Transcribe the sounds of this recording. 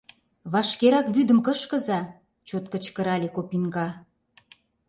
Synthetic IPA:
βɑʃkeɾɑkβyd̪əmkəʃkə̆zɑ | t͡ɕot̪kə̆t͡ɕkə̆ɾɑlʲekopinɡɑ

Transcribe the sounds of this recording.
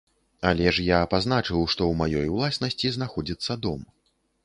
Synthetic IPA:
alʲɛʂjapaznat͡ʂɨwʂt̪ɔwmajɔjwlˠasnɐsʲt͡sʲiznaxɔd͡zʲit̪sːɐd̪ɔm

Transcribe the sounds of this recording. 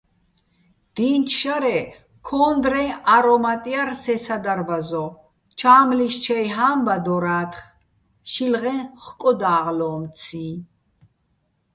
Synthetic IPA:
d̪̥iːnt͡ʃʰʃaɾɛ | kʰɔːnd̪ɾɛ̃aɾɔmat̪ʼiaɾsɛsad̪aɾbazɔ | t͡ʃʰaːmliʃt͡ʃʰɛjɦambad̪ɔɾaːt̪ʰχ | ʃilʁɛnχkʼɔd̪aːʁlɔːmt͡sʰĩː

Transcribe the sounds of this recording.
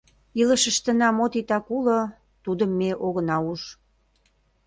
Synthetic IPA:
ilə̆ʃə̆ʃt̪ə̆nɑmot̪it̪ɑkulo | t̪ud̪əmːeʔoɣə̆nɑuʃ

